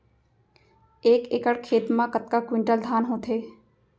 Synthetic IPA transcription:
eːkeːkəɽkʰeːt̪mãkət̪̚kakwɪ̃ɳʈəld̪ʱaːnɦõːt̪ʰeː

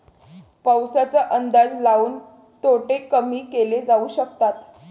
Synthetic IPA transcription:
pəwsat͡səʔənd̪ad͡zlauːn | t̪oʈekəmiːkeled͡zauɕək̚t̪at̪

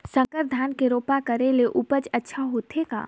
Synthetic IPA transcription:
sə̃ŋkəɾd̪ʱaːnkeɾoːpakɐɾeleʔupət͡ʃɐtːʃʰaɦoːt̪ʰeka̰ː

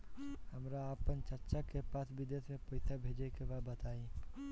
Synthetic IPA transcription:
həmɾaəpənt͡ʃəɾt͡ʃakepaːsbɪd̪jət̪ʰmẽpəɪsabʱed͡ʒekebabət̪aːĩ

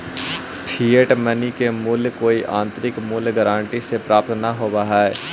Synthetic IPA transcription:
pʰiːəʈmənikemʊlkoːiʔãːnt̪ɾɪkmʊlɡəɾãːɳʈisepɾaːpt̪nɐɦobɐɦaːɛː

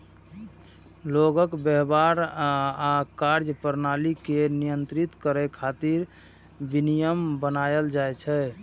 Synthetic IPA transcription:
loɡəkbɛɦbaɾakaɾd͡ʒəpəɾnalikenijənt̪ɾit̪kəɾɛkʰat̪iɾ | binijəmbənajəld͡ʒajt͡ʃʰɛ

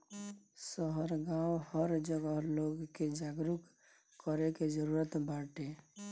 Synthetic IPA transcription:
səɦəɾɡãwhəɾd͡ʒəɡəɦloɡked͡ʒaɡɾuk | kːəɾeked͡ʒəɾuɾət̪baʈe

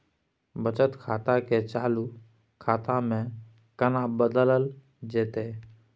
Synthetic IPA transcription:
bət͡ʃət̪kʰaːt̪aket͡ʃaːlu | kʰaːt̪amẽ | kənabəd̪ələl | d͡ʒeːt̪e

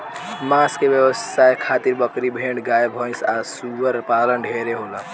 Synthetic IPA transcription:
maːskebjəʋəsːaekʰaːt̪iɾbəkɾibʱẽːɳɖɡaːjbʱɔ̃nsasuʋəɾpaːlənɖʱeːɾeɦola

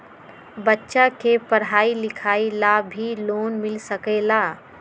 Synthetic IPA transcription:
bətːʃakepəɽɦaːilɪkʰaːilabʱiloːnmɪlsəkelaː

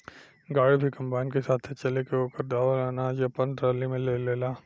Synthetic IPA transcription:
ɡaːɽibʱikɐ̃mbaːɪnkesaːt̪ʰet͡ʃɐlekeoːkəɾd̪aːʋəlaːnad͡ʒjapɐnʈɾaːlimẽleːleːlaː

